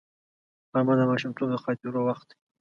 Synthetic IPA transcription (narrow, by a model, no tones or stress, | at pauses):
amad̪əmɑʃʊmt̪ob̚d̪əxɑt̪uɾowaxt̪